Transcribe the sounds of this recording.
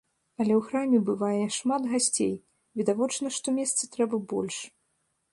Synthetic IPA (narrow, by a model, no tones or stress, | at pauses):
ɐlʲɛwxɾamʲɛbɨvajɛʂmat̪ɣasʲt͡sʲḛj | vʲid̪avɔt͡ʂnɐʂt̪ɔmʲɛst̪sɨt̪ɾɛbɐbɔ̰lʲʂ